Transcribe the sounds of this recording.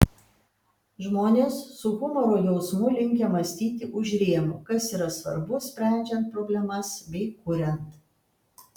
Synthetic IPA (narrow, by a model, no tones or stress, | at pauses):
ʒmoːnʲeːsːʊkʊmoːɾoːjɛʊsmʊlʲɪŋʲkʲɛmɐsʲt̪ʲiːt̪ʲɪʔʊʒʲɾʲeːɛmṵːkɐsiːɾɐsʋɐ̰ɾbʊsʲpʲɾʲæˑnʲd͡ʒʲɛnt̪̚pɾoːbʲlʲɛmɐsbʲɛɪkʊɾʲɛnt̪